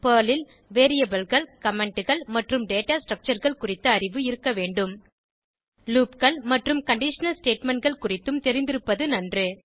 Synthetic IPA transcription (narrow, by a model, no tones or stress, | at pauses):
pɐːlɪl | ʋeːɾijɐbɐlɣɐɭkɐmɛɳʈɯɣɐɭmɐʈrɯmɖeːʈaːsʈrɐk̚t͡ʃɐɾɣɐɭkʊrɪt̪ːɐɐrɪʋɯɪɾɯkːɐʋeːɳɖɯm | luːpkɐɭmɐʈrɯmkɐɳɖɪʂɐnɐlsʈeːʈmɛɳʈɡɐɭkʊrɪt̪ːɯmt̪ɛɾɪnd̪ɪɾɯpːɐðɯnɐndrɯ